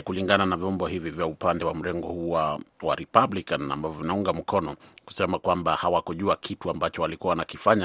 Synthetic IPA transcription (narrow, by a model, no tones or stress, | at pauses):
kuliŋɡananavjɔmbɔhivivjaupandɛwam̩ɾɛŋɡɔhuwawa̰ɾipablikana̰mbavɔvinauŋɡam̩kɔnɔku̥sɛmakwambahawakɔʄuakʰituambat͡ʃɔalikuwanakifaɲa